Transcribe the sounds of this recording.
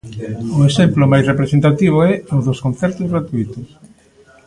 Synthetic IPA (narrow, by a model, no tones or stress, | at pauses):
ʊesemplʊmajsrepɾesẽnt̪at̪iβ̞ʊɛʊðoskõnθɛɾt̪ozɣɾat̪uit̪ʊs